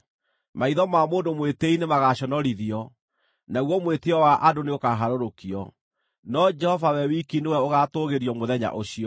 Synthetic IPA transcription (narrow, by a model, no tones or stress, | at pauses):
maiðɔmamoːndomweteinemaɣaɕɔnɔɾiðiɔ | naɣwɔmweteɔwaʔadoneokaɦaɾoɾokiɔ̰ | nɔd͡ʒɛhɔvawɛwikinewɛoɣatoɣeɾjɔmoðɛɲa̰ʔoɕiɔ